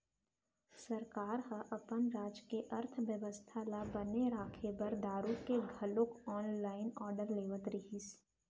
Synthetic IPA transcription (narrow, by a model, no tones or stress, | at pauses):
sɐɾkaːɾɦəʔɐpənɾaːd͡ʒkeʔɐɾt̪ʰʋjəʋəst̪ʰalabɐneɾaːkʰebɐɾd̪aːɾukeɡʱɐlokɔːnlaːɪnɔːɾɖəɾleːʋət̪ɾɪɦis